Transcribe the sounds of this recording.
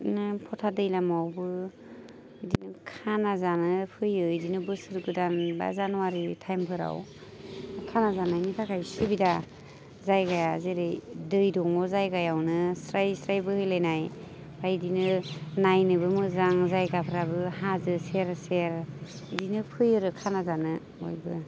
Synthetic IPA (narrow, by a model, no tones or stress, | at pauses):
nɯpʰɔtʰadɯjlamawbɯ | dinɯkʰanazanɯpʰɯjɯjdinɯbɯsɯɾɡɯdanba̰zanuwaɾitʰajmpʰɯɾa̰w | kʰanazanajnitʰakʰajsɯbida | zajɡajazeɾɯjdɯjdɔŋɔzajɡajawnɯsɾajsɾajbɯhɯjlajnaj | bʰajdinɯnajnɯbɯmɯzaŋzajɡapʰɾabɯɦazɯseɾseɾ | idinɯpʰɯjɯɾɯkʰanazanɯ | o̰jbɯ